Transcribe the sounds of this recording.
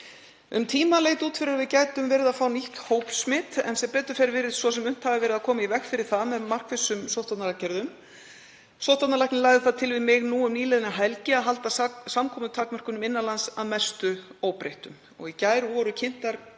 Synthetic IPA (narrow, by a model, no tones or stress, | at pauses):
ʏmt̪ʰiːmaleːjt̪uːt̪fɪɾʏɾvɪðcajt̪ʏmvɛːɾɪðafaːwnihkhoːwpsmɪt̪ɛ̰nsɛmpɛːt̪ʏɾfɛɾvɪɾɪðsvɔsɛmʏm̥t̪havɪvɛːɾɪðakʰɔːmaivɛxkfɪɾɪɾ̥θaðmɛðmar̥kfɪsːʏmsowht̪at̪nalacɛɾðʏm | sowht̪at̪nalajhknɪlaːjðɪθaðt̪ʰɪlvɪðmɪɣnuːʏmniːlɛðɪnaɦɛlcɪaðɦalt̪asamkʰɔːmʏt̪ʰaːkmœr̥kʏnʏmɪnːalansaðmɛst̪ʏoːwpɾejht̪ʏm | ɔ̰ɣicaːjɾʏvɔɾʏcʰɪn̥t̪aɾ